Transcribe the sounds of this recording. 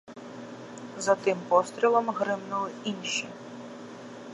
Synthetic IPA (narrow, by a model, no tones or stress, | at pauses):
zɐt̪ɪmpɔst̪ɾʲilˠɔmɦɾɪmnʊlˠɪinʃi